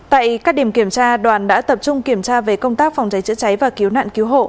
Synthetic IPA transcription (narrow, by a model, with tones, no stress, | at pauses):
t̪a̰ː˧˨jkaː˦˥k̚ɗi˧˩əmki˧˩əmt͡ɕaː˧ɗwaː˨˩nɗa̰ː˧˥t̪ə˨˩p̚t͡ɕʊ˧ŋ͡mki˧˩əmt͡ɕaː˧ve˨˩kə˧wŋ͡mt̪aː˦˥k̚fa˨˩wŋ͡mt͡ɕa˨˦jt͡ɕɨ̰˧˥t͡ɕa˨˦jvaː˨˩ki˨˦əwna̰ː˧˨nki˨˦wɦo̰˧˨